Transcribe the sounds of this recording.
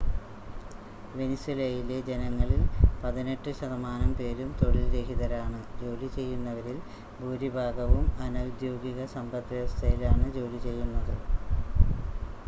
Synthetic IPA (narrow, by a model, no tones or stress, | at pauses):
ʋe̞niswilejiled͡ʑe̞nɐŋːɐɭilpɐðine̞ʈːɨɕɐðɐmaːnɐmpe̞ːɾumt̪oɭilɾeɦiðɐɾaːɳɨd͡ʑo̞ːlit͡ɕe̞jːunːɐʋɐɾil | bʱuːɾibʱaːɡɐʋumɐnɐwd̪jo̞ːɡiɣɐsɐmbʱɐt̪ʋest̪ʰɐjilaːɳɨd͡ʑo̞ːlit͡ɕe̞jːunːɐðɨ